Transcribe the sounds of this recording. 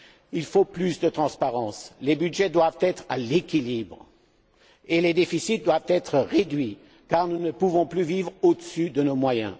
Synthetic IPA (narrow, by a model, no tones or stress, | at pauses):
ilfoplysd̪ət̪χɑ̃spaʁɑ̃slebyd̪ʒɛd̪wavt̪ɛt̪χa̰lekʲilibʁ | eled̪efisit̪̚d̪wavt̪ɛt̪χəʁed̪ɥi | kaʁnunəpuvɔ̃plyvivʁod̪əsyd̪ənomwajɛ̰̃